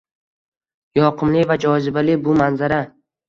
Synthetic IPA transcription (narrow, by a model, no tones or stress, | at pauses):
jɒqʰɨmlɪvad͡ʒɒzɪbalɪbʊmanzaɾa